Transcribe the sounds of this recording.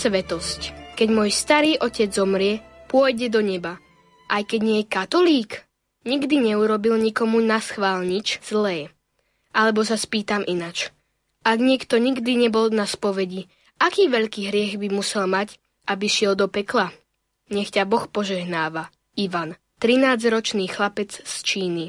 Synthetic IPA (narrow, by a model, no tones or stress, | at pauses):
sʋɛt̪ɔsckɛɟmɔːjst̪aɾiːʔɔcɛd͡zzɔmɾɪɛpʊɔjɟɛd̪ɔɲɛba | ʔajkɛɟɲɪɛjɛkat̪ɔliːk | ɲiɡd̪iɲɛuɾɔbilɲikɔmunasxʋaːlɲit͡ʃz̥lɛː | ʔalɛbɔsaspiːt̪amʔinat͡ʃ | aɡɲɪɛkt̪ɔɲiɡd̪iɲɛbɔlnaspɔʋɛɟi | ʔakiːʋɛʎkiːɦɾɪɛɣbimusɛlmac | ʔabiʃɪɛld̪ɔpɛkla | ɲɛxcabɔxpɔʒɛɦnaːʋa | iʋan | t̪ɾinaːd͡zɾɔt͡ʃniːxlapɛt͡sst͡ʃiːni